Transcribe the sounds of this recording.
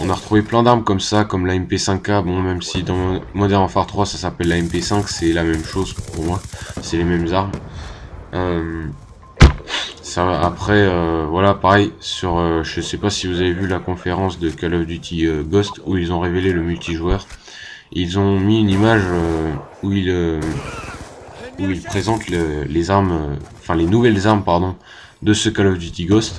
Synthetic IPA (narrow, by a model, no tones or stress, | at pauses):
ɔ̃naʁət̪χuveplɛ̃d̪aʁmkɔmsakɔmlaɛmpesɛ̃kːabɔ̃mɛmsid̪ɑ̃mɔ̃mɔd̪ɛʁnɑ̃faʁt̪χwasasapɛlːaɛmpesɛ̃ksɛlamɛmʃozpuʁmwasɛlemɛmzaʁm | øm | saapχɛøvwalapaʁɛjsyʁøʒəsɛpasivuzavevylakɔ̃feʁɑ̃sd̪əkalɔfd̪yt̪ʰiøɡɔst̪uilzɔ̃ʁeveleləmylt̪ʰiʒwœʁ | ilzɔ̃miynimaʒø | uilø | uilpχezɑ̃t̪lelezaʁmøɑ̃fɛ̃lenuvɛlzaʁmpaʁd̪ɔ̃ | d̪əsəkalɔfd̪yt̪iɡɔst̪